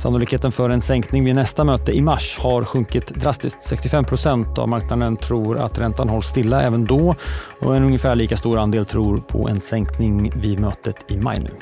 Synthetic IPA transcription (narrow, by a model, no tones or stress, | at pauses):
sanʊlɪkheːt̪ənfœɾɛnsɛŋknɪŋvɪnɛst̪amøːt̪əɪmaʂhaɾɧɵŋkɪt̪d̪ɾast̪ɪst̪sɛkst̪ɪfɛmpʰɾʊsɛnt̪a̰vmaɾknad̪ənt̪ʰɾuːɾa̰t̪ɾɛnt̪anɦɔlst̪ɪlːaʔɛːvənd̪ɔ | ɔ̰ɛnɵŋjəfæːɭiːkast̪uːɾand̪eːlt̪ʰɾuːɾpʰɔ̰ʔɛ̰nsɛŋknɪŋvɪd̪møːt̪ət̪ʰɪma̰jnʉ̟̰ː